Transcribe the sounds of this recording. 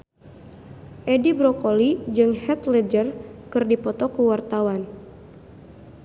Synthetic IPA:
ʔedibɾɔkolid͡ʒɨŋhɛt̪lɛd͡ʒərkɨrdipɔt̪ɔkuwart̪awan

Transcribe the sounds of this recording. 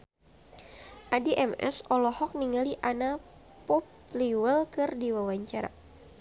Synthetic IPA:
ʔadiʔɛmɛ̰sɔlɔhɔk̚niŋaliʔana | pɔp | liwəlkɨrdiwawaɲt͡ʃaɾa̰

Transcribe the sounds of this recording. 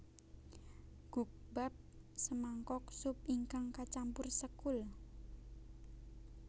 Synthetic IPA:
ɡ̥uk̚b̥ap̚ | səmaŋkɔksʊp̚iŋkaŋkat͡ʃampʊrsəkʊl

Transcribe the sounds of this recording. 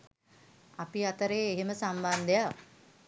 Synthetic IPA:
apiat̪əɾeːeɦeməsamband̪əja

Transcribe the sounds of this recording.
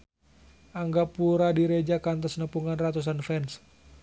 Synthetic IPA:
ʔaŋɡapuɾadiɾed͡ʒakant̪ɔsnəpuŋanrat̪us̬anfɛns

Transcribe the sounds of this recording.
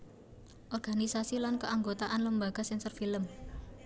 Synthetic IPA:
ʔɔrɡ̥anisasilankəaŋɡot̪aʔanləmbaɡ̥a̤sɛnsɔrfiləm

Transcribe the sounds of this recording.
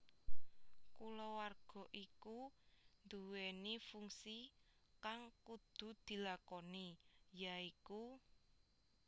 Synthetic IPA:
kulɔwarɡ̥ɔ̤ʔikund̪uwenifuŋsikaŋkud̪̥ṳd̪̥i̤lakɔnijaiku

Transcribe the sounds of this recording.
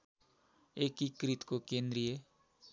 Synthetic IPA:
eːkikɾɪt̪kokẽːnd̪ɾije

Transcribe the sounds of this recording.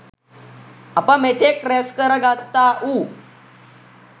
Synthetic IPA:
apãmet̪ʰekɾɛskəɾəɡat̪ːaʔu

